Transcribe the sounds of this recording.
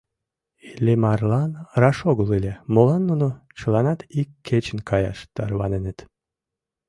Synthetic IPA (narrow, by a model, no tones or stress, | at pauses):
ilʲemɑrlˠɑnɾɑʃoɡulˠilʲemolˠɑnːunut͡ɕɯlˠɑnɑt̪ikʲʰːet͡ɕɪnkʰɑjɑ̰ʃt̪ɑɾβɑnenet̪